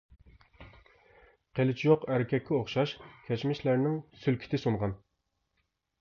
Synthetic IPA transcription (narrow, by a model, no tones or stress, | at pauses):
qʰelɪt͡ʃʰijoqæɾɪkʲʰɛkʲːɛoχʃɑʃkʲʰɛt͡ʃmɪʃlæɾnɪŋsylkʲʰi̥t̪ʰɪsunʁɑn